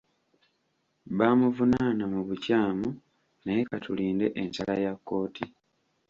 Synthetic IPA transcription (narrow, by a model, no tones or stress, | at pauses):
βaːmuvunanamuβucaːmu | najekatuliːnde̞ʔensalajakːo̞ːtʰi